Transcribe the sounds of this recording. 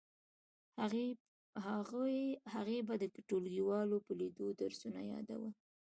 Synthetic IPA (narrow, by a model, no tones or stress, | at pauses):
a | haɣebad̪əkɪʈolɡiwɑlopəlid̪od̪aɾsuna̰jɑ̰d̪a̰wə